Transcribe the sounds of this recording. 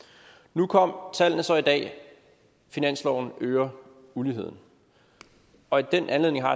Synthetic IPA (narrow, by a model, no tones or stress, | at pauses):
nukʰɒ̽m̰t͡sʰæl̰nəsɒ̽id̥ɛ̰ː | finæn̰slɒʊn̩øːɐ | uliɦe̝ð̰ˠn̩ | ɒ̽id̥enʔænle̝ðˠne̝ŋɦɑ̈